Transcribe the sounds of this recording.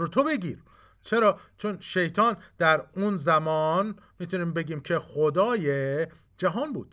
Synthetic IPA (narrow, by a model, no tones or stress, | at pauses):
ot̪ʰobe̞ɡʲḭːɾ | t͡ʃʰe̞ɾɒːt͡ʃʰonʃe̞jt̪ʰɒːnd̪̥æɾunzæmɒːn | miːt̪ʰuniːmbe̞ɡiːmcʰe̞xod̪ɒːje | d͡ʒæɦɒːnbṵːd̪̥